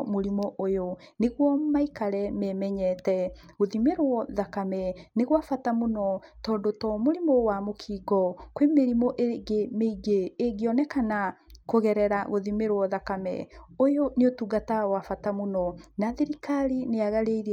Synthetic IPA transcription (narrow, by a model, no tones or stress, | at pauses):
moɾimɔʔojoneɣwɔmaikaɾɛmɛmɛɲɛtɛ | ɣoðimeɾwɔðakamɛneɣwafatamonɔtɔːndotɔmoɾimɔwamokʰiːɡɔkwemeɾimɔʔeɡemeiɡeːɡeɔnɛkanakoɣɛɾɛɾaɣoðimeɾwɔðakamɛ̰ojoneotuɡatawafatamonɔnaðeɾikaɾineaɣaɾeiɾ